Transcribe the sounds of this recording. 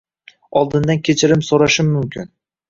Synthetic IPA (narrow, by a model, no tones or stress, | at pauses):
ɒlˠd̪ɪnd̪ankʲʰet͡ʃʰɪɾɪmsoɾaʃɪmːʊmkʲʰɪn